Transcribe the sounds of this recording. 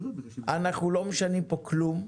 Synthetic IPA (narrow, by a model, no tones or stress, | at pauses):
anaχnulo̞meʃanimpo̞klum